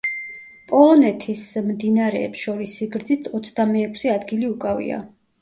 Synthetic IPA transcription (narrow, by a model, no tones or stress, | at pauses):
pʼɔlˠɔnɛt̪ʰismd̪inaɾɛːpsʃɔɾisːiɡɾd̪zit̪ʰɔt̪sʰd̪amɛːkʰsɛad̪ɡiliukʼavḭa̰